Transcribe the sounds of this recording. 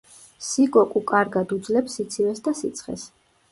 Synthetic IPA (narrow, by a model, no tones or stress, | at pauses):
sikʼɔkʼukʼaɾɡad̪ud̪zlɛpsit̪sʰivɛsd̪asit̪sʰχɛ̰s